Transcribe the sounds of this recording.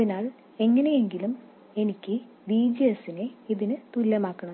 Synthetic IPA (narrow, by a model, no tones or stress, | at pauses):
ɐðinaːɭ | e̞ŋːɐneje̞ŋɡilum | e̞nikʲːɨ | biːd͡ʑijɐsineiðinɨt̪ulːɐmaːkːɐɳɐm